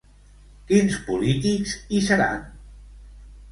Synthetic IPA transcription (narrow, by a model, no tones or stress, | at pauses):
kinspulit̪ikzisəɾa̰n